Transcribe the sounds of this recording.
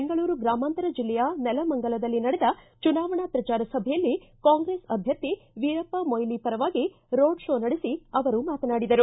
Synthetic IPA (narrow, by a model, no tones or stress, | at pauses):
ŋɡɐɭuːɾuɡɾaːmaːnt̪ɐɾɐd͡ʒilːɛjɐnɛlɐmɐŋɡɐɭɐd̪ɐlːinɐɽɛd̪ɐ | t͡ʃunaːʋɐɳɐpɾɐt͡ʃaːɾɐsɐbʱɛjɐlːikaːŋɡɾe̞ːsɐbʱjɐt̪ːiʋiɾɐpːɐmojlipɐɾɐʋaːɡi | ɾoːɖʃoːnɐɽisiɐʋɐɾumaːt̪ɐnaːɽid̪ɐɾu